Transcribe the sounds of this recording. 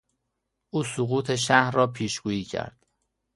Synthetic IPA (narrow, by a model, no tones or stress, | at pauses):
ʔuːsoɣuːt̪ʰe̞ʃ̬æhɾrɒːpʰiːʃɡuːiːcʰæ̰ɾd̪̥